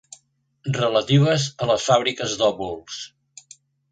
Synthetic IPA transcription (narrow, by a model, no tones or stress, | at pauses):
rələt̪iβəzələsfaβ̞ɾikəzd̪ɔβulˠs